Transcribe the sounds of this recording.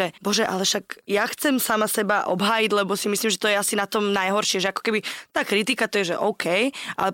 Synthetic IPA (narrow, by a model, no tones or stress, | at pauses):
ɛbɔʒɛʔa̰lɛʃaɡjaxt͡sɛmsamasɛbaʔɔbɦaːjidlɛbɔsimisliːmʒɛt̪ɔjɛasinat̪ɔmnajɦɔɾʃɪɛʒɛakɔ̥kɛbit̪aːkɾit̪ikat̪ɔjɛʒɛʔɔʊkʰɛjʔa̰